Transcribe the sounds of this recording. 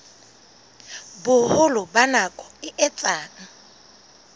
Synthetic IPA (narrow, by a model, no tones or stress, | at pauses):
bʊhʊlʊbanakʼɔ̥ɪʔɛt͡sʼaːna